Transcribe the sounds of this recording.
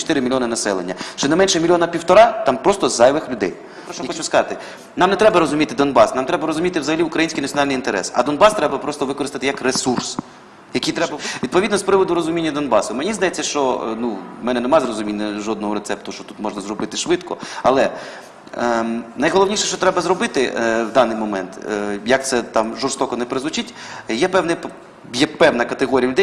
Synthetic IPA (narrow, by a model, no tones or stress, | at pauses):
t͡ʃɔ̥t̪ɪɾɪmʲilʲjɔnɐnɐsɛlˠḛnʲːɐʃt͡ʃɔnɛmɛnʃɛmʲilʲjɔnɐpʲiwt̪ɔɾɑt̪ɑmpɾɔst̪ɔzɑjʋɪxlʲʊd̪ɛ̰j | pɾɔʃt͡ʃɔxɔt͡ʃʊskɐzɑt̪ɪ | nɑmnɛt̪ɾɛbɐɾɔzʊmʲit̪ɪd̪ɔnbɑsnɑmt̪ɾɛbɐɾɔzʊmʲit̪ɪwʋzɐɦɐlʲiʊkɾɐjinʲsʲkɪjnɐtʲsʲjɔnɑlʲnɪjint̪eɾɛ̰sɐ̰d̪ɔnbɑst̪ɾɛbɐpɾɔst̪ɔʋɪkɔɾɪst̪ɐt̪ɪjɐkresurs | jɐkʲijt̪ɾɛbʋʲid̪pɔʋʲid̪nɔspɾɪʋɔd̪ʊɾɔzʊmʲinʲːɐd̪ɔnbɑsʊmenʲizd̪ɐjɛt͡sʲːɐʃt͡ʃɔnumɛnɛnemɑzrɔzʊmʲinʲːɐʒɔd̪nɔɦɔɾet̪sɛpt̪ʊʃt͡ʃɔt̪u̥t̪mɔʒnɐzrɔbɪt̪ɪʃʋɪt̪kɔ̰ɐlˠɛ | nɐjɦɔlˠɔʋnʲiʃɛʃt͡ʃɔt̪ɾɛbɐzɾɔbɪt̪ɪwd̪ɑnɪjmɔmɛ̰nt̪jɐk̚t̪sɛt̪ɑmʒɔrst̪ɔkɔnɛpɾɪzʊt͡ʃitʲ | jɛpɛwnɛp | jɛpɛwnɐkɐt̪eɦɔɾʲijɐlʲʊd̪ɛj